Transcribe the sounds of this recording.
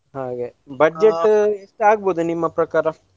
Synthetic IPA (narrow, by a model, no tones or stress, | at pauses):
ɦaːɡebɐd͡ʒeʈːeʂʈaːɡ̚boːd̪unimːɐpɾɐkaːɾɐ